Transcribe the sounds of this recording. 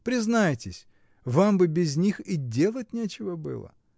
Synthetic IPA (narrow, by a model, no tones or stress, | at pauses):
pɾʲɪznajtʲɪsʲ | vambɨbʲɪzʲnʲixɪdʲe̞lˠətʲnʲet͡ɕɪvəbɨ̰lˠə̰